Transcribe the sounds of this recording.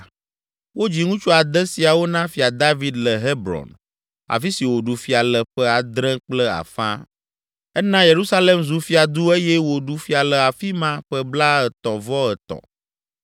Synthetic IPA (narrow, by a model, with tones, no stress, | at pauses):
wo˦d͡ʑi˨ŋũ˦t͡ʃo˦a˨d̪ɛ˦si˨a˨wo˦nã˦fi˨a˨d̪a˦vi˦d̪lə˨ɦe˦bɾɔ̰˨n | a̰˨fi˦si˨wo˨ɖu˨fi˨a˨lə˨ɸɛ˦a˨d̪ɾɛ̃˦k͡plɛ˦a̰˨fã̰˦ | ɛ˦nã˦je˨ɾu˦sa˦le˨mzu˨fi˦a˨d̪u˦e˦jɛ˦wo˨ɖu˨fi˦a˨lə˨a˨fi˦mã˦ɸɛ˦bla˦ə˨t̪ɔ̃˨vɔ˦ə˨t̪ɔ̰̃˨